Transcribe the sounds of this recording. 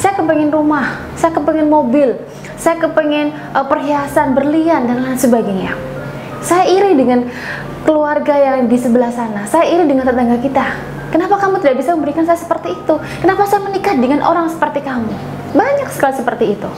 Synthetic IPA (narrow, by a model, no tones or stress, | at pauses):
sajakəpɛŋɪnrumah | sajakəpəŋɪnmobɪl | sajakəpəŋɪn | əpərɦiasanbərliandansəbaɡaɲa̰ | sajaiɾɪdəŋan | kəluarɡajaŋdisəbəlahsanasajaiɾɪdəŋant̪ət̪aŋɡakit̪a | kənapakamut̪idaʔbisaməmbəɾikansajasə̥pərt̪iːt̪u | kənapasajamənikahdəŋanʔo̰ɾaŋsə̥pərt̪ikamu | baɲaksə̥kalisəpərt̪iːt̪u